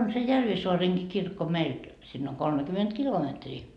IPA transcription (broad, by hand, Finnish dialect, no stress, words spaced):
on se jærʋisoɑreŋki kirkːo meilt sinː oŋ kolmekyment kilometriː